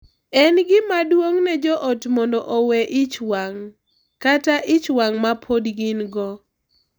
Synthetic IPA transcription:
ɛnɡɪmadwoŋnɛd͡ʒɔʔɔtmɔndɔʔowɛʔɪt͡ʃwaŋ | kataʔɪt͡ʃwaŋmapʰodɡɪnɡɔ

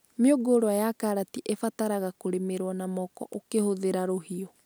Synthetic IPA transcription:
meoɡoːɾoajakaɾatiʔefataɾaɣakoɾemeɾwɔnamɔkɔ̰ʔokehoðeɾaɾoɦiɔ

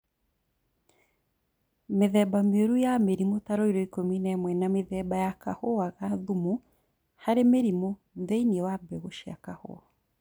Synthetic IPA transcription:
meðɛbameoɾujameɾimotaɾoiɾoikominɛmwɛnameðɛbajakahoaɣaðumu | haɾemeɾimo | ðeiniɛwabɛɣoʃia̰kaho̰a

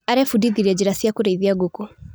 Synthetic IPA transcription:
aɾɛfudiðiɾiɛd͡ʒiɾasiakuɾɛiðiaɡuku

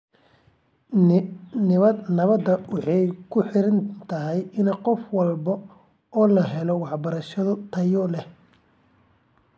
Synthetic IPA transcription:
nɪβɐd̪nɐβɐd̪ɐwɑħɑjkʰʊħɪɾɐnt̪ʰɐɦɛjɪnɐqɔfwɑlbɐ | ɔːlɐɦɛlɔwɑħbɐɾɐʃɐðʊt̪ʰɐjɔlɛh

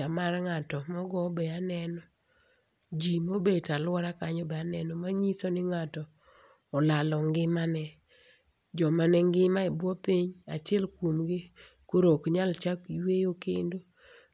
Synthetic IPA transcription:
amarŋatɔmɔɡɔbɛanɛnɔ | d͡ʒimobetalwɔɾakaɲɔbɛanɛnɔmaɲisonɪŋatɔː | lalɔŋɡɪmanɛ | d͡ʒɔmanɛŋɡɪmaɛbwɔpiɲa̰tjɛlkwomɡɪ | koɾokɲalt͡ʃakiwejokendo

